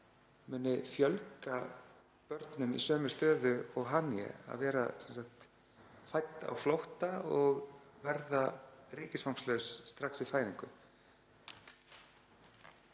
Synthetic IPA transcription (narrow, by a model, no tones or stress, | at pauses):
mʏːnɪfjœlka | pœɾt̪nʏmḭsœːmʏ̥st̪œːðʏɔɣɦaːniɛ̰a̰ðvɛːɾa̰sɛnsakt̪ | fajt̪ːa̰wflowht̪aɔɣvɛɾðarɪːcɪsfawmslœwsːt̪ɾaksvɪðfaːjðiŋkʏ